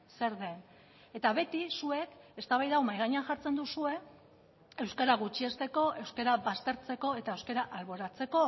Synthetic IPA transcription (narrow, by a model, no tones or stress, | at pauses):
se̞ɾðe̞n | e̞t̪aβe̞t̪isue̞ke̞st̪aβajðawmajɣaɲeaŋʝaɾt͡se̞nd̪usue̞ | e̞wskaɾaɣ̞ut͡ʃiest̪e̞ko̞ʔe̞wskeɾaβast̪e̞ɾt͡se̞ko̞e̞t̪aewske̞ɾaʔalβo̞ɾat͡se̞ko̞